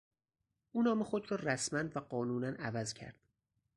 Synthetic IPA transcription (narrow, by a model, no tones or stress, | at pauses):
ʔuːnɒːmexod̪ɾɒːræsmænvæɢɒːnuːnænævæzcʰæ̰ɾd̪̥